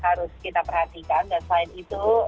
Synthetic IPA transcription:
haɾʊskit̪apərhat̪ikandanslaɪnit̪u

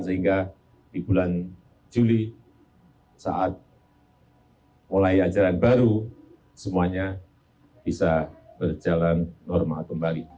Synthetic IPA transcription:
səɦiŋɡa | dibulan | d͡ʒuli | sa̰ʔat̪̚ | wəlaiad͡ʒaɾanbaɾu | səmuaɲa | b̥isabərd͡ʒalanːɔrmakkəmbali

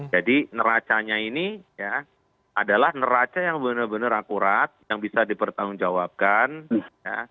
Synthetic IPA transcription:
d͡ʒadinəɾat͡ʃaɲainija | adalahnəɾat͡ʃajaŋbənərbənəɾakuɾat̪̚jaŋbisadipərt̪aʊŋd͡ʒawap̚kanja̰

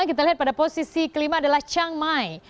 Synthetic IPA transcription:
akit̪aliɦat̪̚padaposisikəlimaːdalaht͡ʃaŋmaj

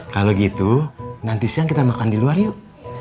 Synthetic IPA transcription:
kaloɡit̪unant̪isaŋkit̪amakandiluarju

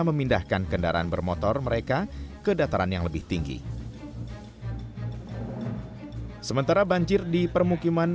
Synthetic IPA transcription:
məmindahkankənda̰ɾa̰anbərmɔt̪ɔrməɾekakədat̪aɾanjaŋləbɪht̪iŋɡḭ | səmənt̪aɾabaɲd͡ʒɪrdipərmukiman

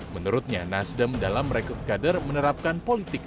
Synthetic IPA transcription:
mənuɾut̪̚ɲanasdəmdalamːɾɛkɔrt̪̚kadərmənəɾap̚kanpolit̪ɪk̚

